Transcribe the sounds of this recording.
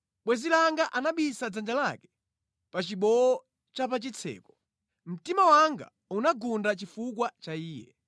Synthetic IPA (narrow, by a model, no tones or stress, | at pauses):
ɓwɛzilaŋɡaʔanaɓisad͡zand͡ʒalakɛ̥ | pat͡ʃiɓɔɔ | t͡ʃap̬at͡ʃit͡sʰɛ̰ːkɔ̥ | m̩timawaŋɡa̰ | unaɡundat͡ʃifuk̬wat͡ʃaiːjɛ̰